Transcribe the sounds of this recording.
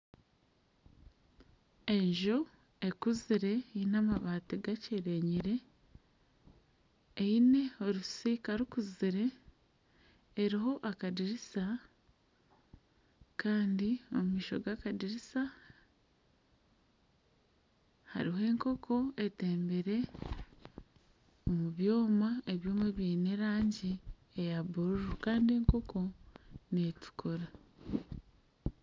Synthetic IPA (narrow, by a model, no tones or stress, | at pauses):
e̞ɲʒo | e̞kuziɾe̞inamaβaːtiɡaceɾe̞ɲiɾe̞ | ine̞o̞ɾusikaɾukuziɾe̞ | ɾiɦo̞ʔakadiɾisa | kaːndio̞mumiːʃo̞̰ɡakadiɾisa | ha̰ɾiɦoe̞ːŋko̞kʰo̞e̞te̞ːmbeɾe̞ | omuβjo̞ːmae̞βjo̞ːmeβjiːneɾaːɲɟi | ejaβuɾuɾukaːndie̞ŋko̞kʰo̞netu̥kʰuɾa